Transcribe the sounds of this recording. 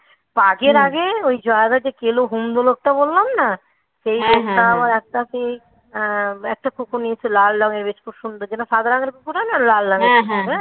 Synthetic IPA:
paɡeɾaɡeojd͡ʑɔed̪ad͡ʑekeloɦumd̪olok̚ʈabolːamna | ʃejbost̪amaɾɛk̚ʈasi | ɛk̚ʈakukuniet͡ʃʰelalɖɔŋeɾbeʃkuʃund̪od͡ʒɛnosad̪aɾaŋeɾkukuɾanalallaŋekʃue

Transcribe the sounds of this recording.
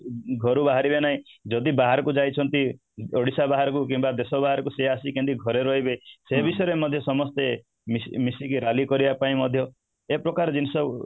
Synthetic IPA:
ɡʱɔɾubaɦaɾibenaĩd͡ʒɔd̪ibaɦaɾɔkud͡ʒajt͡ʃʰɔnt̪i | oɽisabaɦaɾɔkukimbad̪esɔbaɦaɾɔkuseasikẽnt̪iɡʱɔɾeɾɔɦibesebisɔjeɾemɔd̪ʱjɔsɔmɔst̪e | mismisikiɾalikɔɾibapaĩmɔd̪ʱjɔ | epɾɔkaɾed͡ʒinisɔ

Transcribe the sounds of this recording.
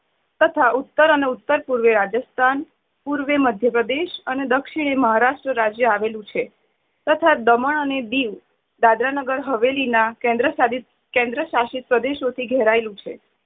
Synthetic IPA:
t̪ət̪ʰaut̪ːəɾəneut̪ːəɾpuɾʋeɾad͡ʒəst̪ʰan | puɾʋeməd̪ʱjəpɾəd̪eʃəned̪əkʃiɽ̃eməɦaɾaʃʈɾəɾad͡ʒjəaʋelũt͡ʃʰe | t̪ət̪ʰad̪əməɳəned̪iʋ | d̪ad̪ɾanəɡəɾɦəʋelinaɛ̃d̪ɾəad̪i | kẽnd̪ɾəʃaʃit̪̚pɾəd̪eʃot̪ʰiɡʱɛɦɾaelũt͡ʃʰe

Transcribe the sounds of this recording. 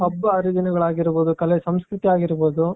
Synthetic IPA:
ɐbːɐɐɾid̪inɐɡɐɭaːɡiɾboːd̪ukɐlesɐmskɾut̪iaːɡiɾboːd̪u

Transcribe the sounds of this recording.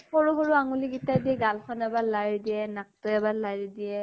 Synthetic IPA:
xoɹuxoɹuaŋuliɡitadiɛɡalkʰɔnɛbalaɹidijɛnak̚tɔɛbalaɹidiɛ

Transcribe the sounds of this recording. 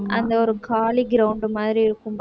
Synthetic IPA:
ɐnd̪ɐɔɾɯkʰaːɭiɡɪɾɐwʊɳɖɯmaːðɪɾiɪɾɯkːɯmb

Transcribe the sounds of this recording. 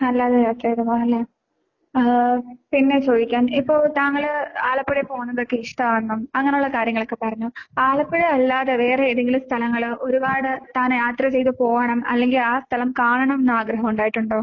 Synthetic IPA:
ɐlːaːðɐjaːt̪rɐeðɐmaɐlːɐ | pinːe̞t͡ɕo̞ːd̪ikʲːaːnipːo̞ːɭt̪aːŋːɐɭaːɭɐpːeɽepo̞ːɣunːɐðokːe̞iʂʈɐaːnːɐmɐŋːɐnejuɭːɐkaːɾjɐŋːɐɭokːe̞pɐrɐɲːuaːɭɐpːeɽeɐlːaːðeʋe̞ːreeðeŋɡilumst̪ʰɐlɐŋːɐɭo̞ɾubaːɽɨt̪aːnjaːt̪rɐt͡ɕe̞jt̪ɨpo̞ːɣɐɳɐmɐ̰lːe̞ŋɡilaːst̪ʰɐlɐmkaːɳɐɳɐmnːɐaːɡɾɐɦɐmuɳɖaːjiʈːuɳɖoː

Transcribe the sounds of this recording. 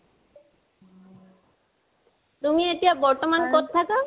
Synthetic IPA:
tumietijabɔɹtɔmankotʰːakɔ

